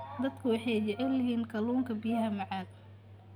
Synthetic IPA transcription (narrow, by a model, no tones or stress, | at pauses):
d̪ɐd̪kʰʊwɑħɑjd͡ʒɛʕɪlɐɦiːnkʰɐluːŋkʰɐbijɐɦɐmɑʕɑːd̪